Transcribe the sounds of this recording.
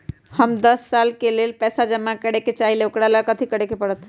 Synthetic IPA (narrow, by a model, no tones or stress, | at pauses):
həmd̪əsːalkelelpɛːsad͡ʒəmːakəɽeket͡ʃaɦileokɽalakət̪ʰikəɽekepəɽət̪ʰ